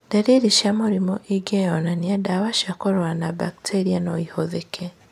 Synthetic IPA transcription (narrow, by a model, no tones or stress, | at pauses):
daɾiɾiʃamoɾimoʔiɡejonanijadaβaʃakoɾwanabaktʰeɾianoihoðekʰe